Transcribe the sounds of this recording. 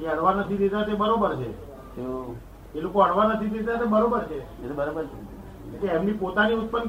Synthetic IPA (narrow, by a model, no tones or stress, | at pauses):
d͡ʒeəɽʋanət̪ʰid̪ed͡ʒatebəɾobəɾt͡ʃʰḛ | o | elokoəɽʋanət̪ʰid̪ed͡ʒat̪ebəɾobəɾt͡ʃʰe | bəɾobəɾ | keemnipot̪aniut̪̚pən